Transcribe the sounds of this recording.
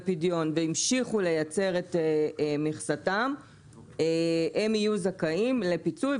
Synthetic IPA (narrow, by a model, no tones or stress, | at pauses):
pidjo̞nveimʃiχule̞jat͡se̞ʁetemiχsatam | ee̞mijuzakaimle̞pit͡suj